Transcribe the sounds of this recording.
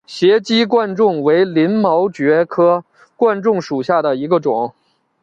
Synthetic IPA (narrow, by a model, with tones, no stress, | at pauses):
ɕjɛ˧˥t͡ɕi˥kwa˥˧nʈ͡ʂʊ˥˩ŋwe˧˥ɪli˧˥nmɑ˧˥ʊt͡ɕɥɛ˧˥kʰɤ˥ | kwa˥˧nʈ͡ʂʊ˥˩ŋʂu˨˩ɕja˥˩d̪ə˩i˧˥ɡə˧ʈ͡ʂʊ˨˩˦ŋ